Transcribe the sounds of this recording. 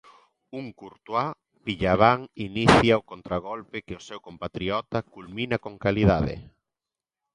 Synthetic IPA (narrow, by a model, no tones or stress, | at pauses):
uŋkuɾt̪wa | piʎaβaŋiniθjaokont̪ɾaɣ̞ɔlpɪkɪʊsɛwkompat̪ɾiɔt̪akulmĩnakoŋkaliðaðɪ̰